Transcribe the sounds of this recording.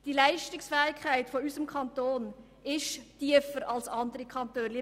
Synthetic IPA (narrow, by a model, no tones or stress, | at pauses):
d̥ilæɪʃtɪksfɛːɪkʰχæɪtfɔysəmkʰɑnt̪oːn | ɪʃtiəfəɾɑlsɑndəɾikʰχɑntøːnli